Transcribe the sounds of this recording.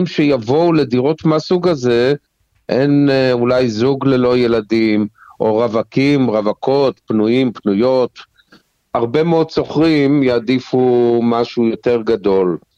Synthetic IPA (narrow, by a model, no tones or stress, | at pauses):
mʃejavo̞uled̪iʁot̪masuɡaze̞ | ʔe̞nulajzuɡle̞lo̞je̞ladimʔo̞ʁavakimʁavakʰo̞t̪pnuimpnujo̞t̪ | aʁbemeodso̞χʁimjaːd̪ifumaʃujo̞t̪e̞ʁɡad̪o̞l